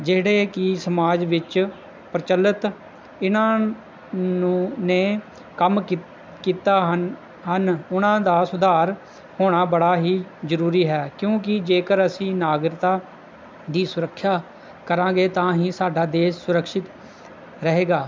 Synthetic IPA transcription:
d͡ʒeːɽeːkɪsəmaːd͡ʒʋɪt͡ʃ | pɾt͡ʃəlːət̪ | ɪnãː | ũːneː | kəm | kiːt̪aːɦ | ɦənʊnãːd̪aːsʊd̪aːɾ | hoːɽ̃aːbəɽaːɦiːzəɾuːɾiːɦɛːkjõːk̬ɪd͡ʒeːkəɾəsĩːnaːɡɾɪt̪aː | d̪iːsʊɾəkʰːjaː | kəɾãːɡeːt̪ãːɦĩːsaːɖaːd̪eːsʊɾəkʃɪt̪ | ɾəɦeːɡaː

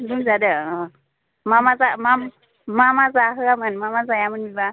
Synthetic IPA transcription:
dumd͡zadə | mamat͡samam | mamat͡saɦəlamənmamat͡sajamənmiba

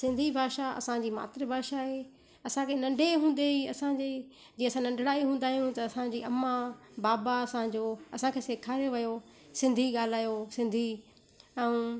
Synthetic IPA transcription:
sɪ̃nd̪ʱibʱaːʃaɐ̰sãd͡ʑiːma̰ːt̪ɪɾəbʱaːʃaɦeː | ɐsãkʰenɐ̃ɳɖʱeɦũːn̆d̪eiɐsãd͡ʑe | d͡ʑĩːɐsãnɐ̃ɳɖʱɽaːiɦũːn̆d̪aːɦijũt̪ɐɐsãd͡ʑiːɐmːabaːbaɐsãd͡ʑoːɐsãkʰeːseːkʰaːɾijoʋɐjo | sɪ̃nd̪ʱiɠaːl̤aːjosɪ̃nd̪ʱi | ɛ̃ũ

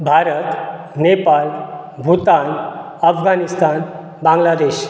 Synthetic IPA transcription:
bʱaɾət̪ | nepalbʱut̪an | əfɡanist̪an | bãŋɡlad̪eɕ

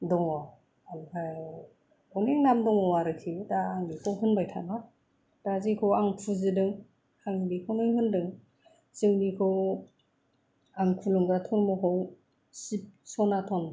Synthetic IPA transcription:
dɔŋɔ | amkʰa | ɔneŋnamdɔŋɔwaɾɯkʰidaːŋnikʰowɦɯnbajtʰa̰na | d̥azikʰɔwaŋpʰuzɯdɯŋ | aŋdikʰownɯjɦɯndɯŋ | zɯŋnikʰɯw | aŋkʰulɯŋɡatʰɔɾmɔɦʰɔw | sip̚sɔnatʰɔn

